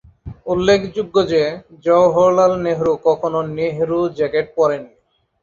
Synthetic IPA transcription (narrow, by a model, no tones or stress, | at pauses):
ulːekʰd͡ʑuɡːod͡ʑed͡ʑɔwɦoɾlalneɦɾukɔkʰononeɦɾud͡ʑɛkeʈ̚pɔɾeni